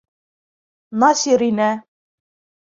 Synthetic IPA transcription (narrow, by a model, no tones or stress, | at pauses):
nɑsiɾinæ